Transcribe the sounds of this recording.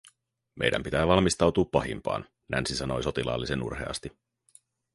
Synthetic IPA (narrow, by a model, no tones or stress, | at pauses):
mʔe̞̰jdʔæ̰mpit̪æːʋɑlmist̪ɑwt̪uːpːɑɦḭmpɑ̰ːn | næ̰nsisɑno̞jso̞t̪ilɑ̰ːlːise̞nṵrɦe̞̰ɑ̰st̪i